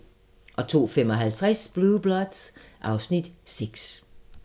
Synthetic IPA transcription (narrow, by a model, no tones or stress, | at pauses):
ʔɒ̽t͡sʰo̝̰ːfemɒ̽ɦælt͡sʰʁasb̥lub̥lɒd̥sʔɑ̈ʊsnid̥seɡ̥s